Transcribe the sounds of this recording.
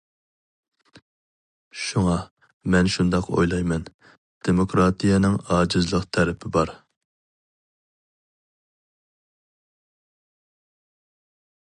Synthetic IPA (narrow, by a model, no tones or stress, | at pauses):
ʃuŋɑ | mɛnʃund̪ɑqo̰jlˠɑjmɛn | d̪̥emokɾɑt̪ʰijɛnɪŋɑːd͡ʒɪzlˠəqt̪ʰæɾɪpʰɪbɑɾ